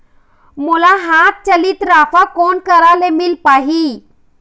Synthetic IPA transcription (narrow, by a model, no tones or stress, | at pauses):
mulaɦat̪̚t͡ɕəlit̪ɾafakonkəɾalemilpaɦi